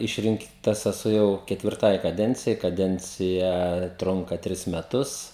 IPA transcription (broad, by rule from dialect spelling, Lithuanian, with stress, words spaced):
ˈɪʃʲrʲɪŋktɐs ɛˈsʊ jɛʊ kʲɛtʲʋʲɪrˈtɐɪ kɐˈdʲɛnʲt͡sʲɪjɛɪ kɐˈdʲɛnʲt͡sʲɪjɛ ˈtrʊŋkɐ ˈtʲrʲɪs mʲɛˈtʊs